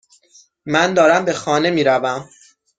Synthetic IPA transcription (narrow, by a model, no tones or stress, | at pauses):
mænd̪ɒːɾæmbe̞xɒːne̞miːɾævæm